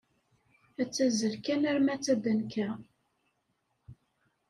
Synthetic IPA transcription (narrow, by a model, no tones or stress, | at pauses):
æt͡sːæzəlkænæɾmæt͡sːæd̪ənkæ